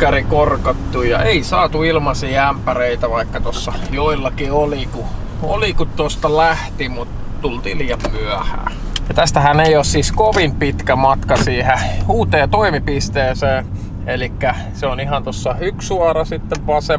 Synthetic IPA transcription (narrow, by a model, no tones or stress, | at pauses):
kærikorkɑt̪ːujjɑʔeisɑːt̪uilmɑsiːæmpæreit̪æʋɑikːɑt̪osːɑjoilːɑkioliku | o̰likutt̪ost̪ɑlæht̪imut̪ | t̪ult̪ḭːlijɑmmyæhæ̰ː | jɑt̪æst̪æhæneioːssiskoʋimpit̪kæmɑt̪kɑsiːhehuːt̪eːt̪oimipist̪eːseː | elikːæ | seonihɑnt̪osːɑyksuɑrɑsit̪ːeʋʋɑse